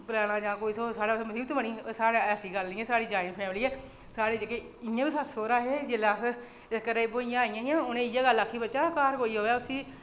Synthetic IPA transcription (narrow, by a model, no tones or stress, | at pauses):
pɾaːɽ̃ãːd͡ʒãːkoːiːsoːsaːɽaːsoməsiːbt̪oːbəniːsaːɽeɛːsiːɡəlniːɛːsaːɽiːd͡ʒaːɪnpʰɛːmliːɛː | saːɽeːd͡ʒəɡeː | ɪjãːbiːsəsoːɾaːɦeːd͡ʒelaːs | ɪskəɾeboːɪjãːaːijãːjãːʊnẽːɪjãːɡəlːaːkʰːiːbətːʃaːkaːɾkoːiːɦoːaːʊsiː